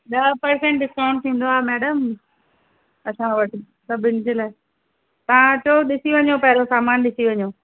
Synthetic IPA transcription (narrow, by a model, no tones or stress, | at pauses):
ɗɐpɐɾsẽɳʈɖɪskãːʊ̃ɳɖ̚t̪ʰĩːn̆d̪oaːɦmɛːɖəm | ɐsãʋɐʈʰ | sɐbʱɪnd͡ʑeːlaːɪ | t̪ɐʋ̤ãt͡ɕoːɗɪsiʋɐɲopɐɦɪɾosaːmaːnɗɪsiʋɐɲoː